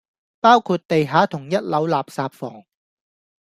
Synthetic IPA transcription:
paː˥wkʰuː˧t̚t̪e˨jɦaː˨˥t̪ʰʊ˨˩ŋjɐ˥t̚lɐ˨˥wlaː˨p̚saː˨pfɔː˨˩ŋ

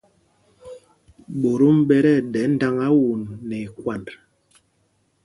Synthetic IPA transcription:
ɓo˨ɾo˦m̩˦ɓɛ˦ɾɛ˦˨dɛ˨˦n˦da˦ŋa˦wu˨nːɛ˨kwa˨nd

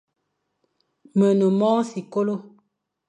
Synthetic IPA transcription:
mə˨no˨mɔː˦si˨ko˦lo˦

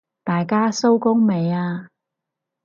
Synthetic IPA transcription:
t̪aː˨jkaː˥so˥wkʊ˥ŋme˨˧jaː˧

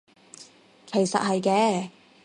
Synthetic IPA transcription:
kʰe˨˩jsɐ̰˨t̚hɐ˨jkɛː˧˥

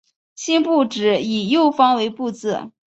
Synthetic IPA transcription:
ɕi˥npu˥˩ʈ͡ʂɻ̩˨˥i˨˩jo˥˩ʊfɑ˥ŋwe˧˥ɪpu˥˧t͡sɹ̩˥˩

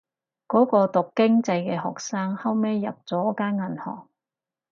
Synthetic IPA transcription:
kɔː˨˥kɔː˧t̪ʊ˨kːɪ˥ŋt͡sɐ˧jkɛː˧ɦɔ̰ː˨k̚saː˥ŋhɐ˥wmeː˥jːɐ̰˨p̚t͡sɔː˨˥kaː˥nŋɐ˨˩nhɔ̰ː˨˩ŋ̚

